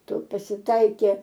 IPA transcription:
ˈtʊ pɐsʲɪˈtɐɪkʲeː

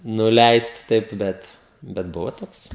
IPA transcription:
nʊˈlʲɛɪst ˈtɐɪp ˈbʲɛt bʲɛt ˈbʊʋoː ˈtoːks

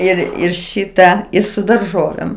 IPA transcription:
ˈɪr ɪr ˈʃʲiːtɐ ɪ sʊ dɐrˈʒoːʋʲeːm

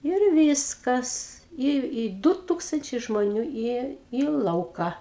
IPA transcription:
ɪr ˈʋʲiːskɐs ɪ ɪ ˈdʊ ˈtuːkstɐnʲt͡ʃʲɛɪ ʒmoːˈnʲuː ɪ iː ˈlˠɐʊkɐ

